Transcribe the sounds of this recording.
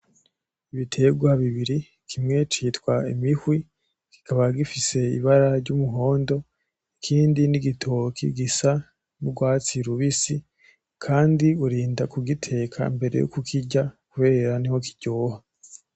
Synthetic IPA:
iβitʰe̞ɡwaβiβiɾi | kʰimŋe̞t͡ʃitwaimihwi | ki̥kaβaɡifise̞ḭβaɾaɾɟumuɦo̞ːndo̞ | ikʰiːndiniɡitʰokʰḭɡisa | nuɡwaːt͡siɾuβisi | kʰaːndiuɾiːndakuɡitʰe̞ːkʰa̰imbe̞ɾe̞̰jo̰kukʰiɟakuβe̞ːɾaniho̞ki̥ɟ̥oːha

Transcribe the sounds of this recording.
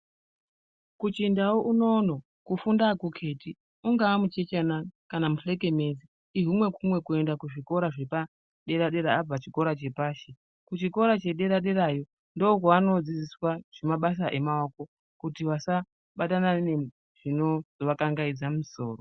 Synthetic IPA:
kut͡ʃindaoʔuno̞ːno | kufundakukʰe̞ti | uŋɡaamut͡ʃe̞t͡ʃanakanamuɬe̞k̬e̞me̞ːzi | iɦumwe̞kumwe̞kue̞ndakuʐiko̞ɾaʐepa | ɗe̞ɾaɗe̞ɾaːb͡vat͡ʃiko̞ɾat͡ʃe̞paːʃe | kut͡ʃiko̞ɾat͡ʃe̞ɗe̞ɾaɗe̞ɾajo̞ | ndook̬waano̞d͡zid͡ziswaʐ̥emaɓas̬aʔe̞maoko̞ | kutiʋasa | ɓatanane | ʐ̥ino̞zoʋakaŋɡaid͡zamiso̞̰ːro

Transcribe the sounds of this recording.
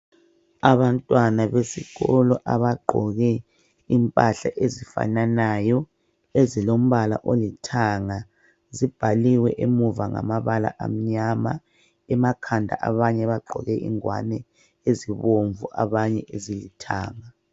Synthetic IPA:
aβantʼwanaβesiɣɔlɔʔaβaɡ͡ǃʱɔɣɛ | impʼaɬa̰ʔezifa̰nanajɔ | ezilom̩βala̰ʔolitʰaŋa | zib̥ʱaliwɛʔemuvaŋa̰maβala̰ʔa̰m̩ɲama | ɛmakʰandʱa̰ʔaβaɲɛβaɡ͡ǃʱɔ̰ɣɛʔḭŋwa̰nɛ | eziβoɱvuʔa̰βaɲɛʔezilitʰa̰ːŋa

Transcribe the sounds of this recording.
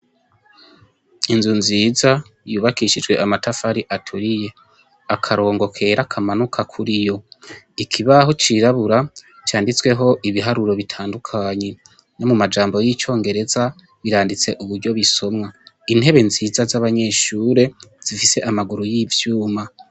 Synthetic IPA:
inzunziːza | juːβakiʃid͡ʒɡwe̞ʔamatafaɾiʔatʰuɾije̞ | akʰaɾo̞ːŋɡo̞kʰe̞ɾakʰamanukʰakʰuɾijo̞ | ikʰiβahot͡ʃiɾaβuɾat͡ʃaːndit͡swe̞ɦo̞ʔiβiɦaɾuɾo̞βitʰaːndukʰaːɲe̞ | no̞mumad͡ʒaːmbo̞jit͡ʃo̞ːŋɡe̞ɾe̞za | βiɾaːndit͡se̞ʔuβuɾɟo̞βiso̞mŋa | inhe̞βe̞nziːzazaβaɲe̞ːʃuːɾe̞z̥ifise̞ʔamaɡuɾujiːvjuːma

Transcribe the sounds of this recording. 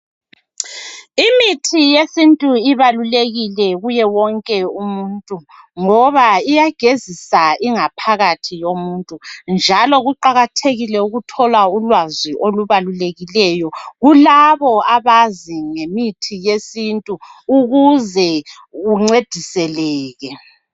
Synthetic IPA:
imitʰijesintʼuiβaluleɣilɛɣujɛwɔŋkʼɛumuntʼu | ŋɔβaijaɡ̥ʱezisaʔiŋapʰaɣatʰijomuntʼund͡ʒʱalɔɣuǃaɣatʰeɣilɛuɣutʰɔlaulwaziʔoluβaluleɣilɛjɔɣulaβɔaβaziŋemitʰijesintʼuuɣuzɛ | uŋ͡ǀed̥ʱisɛlɛːɣɛ

